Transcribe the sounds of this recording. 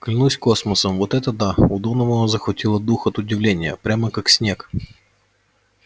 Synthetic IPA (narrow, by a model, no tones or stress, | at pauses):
klʲɪnusʲkosməsəmvot̪ɛt̪əd̪aʊd̪onəvəzəxvɐtʲilˠəd̪uxɐt̪ʊdʲɪvlʲenʲɪjə̰pɾʲaməkaksʲnʲek